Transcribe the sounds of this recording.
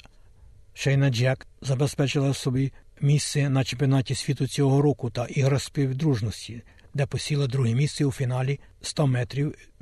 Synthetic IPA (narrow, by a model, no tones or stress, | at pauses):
ʃɛjnɐd͡ʒɛkzɐbespɛt͡ʃɪlˠɐsɔbʲi | mʲissɪnɐt͡ʃempʲiɔnɑtʲisʲʋʲit̪ʊt͡sʲɔɔɦɔɾɔkʊt̪ɐʔiɦɾɐsʲpʲiwd̪ɾuʒnɔsʲtʲi | d̪ɛpɔsʲilˠɐd̪ɾuɦimʲist̪seufʲinɑlʲi | st̪ɔmɛt̪ɾʲiw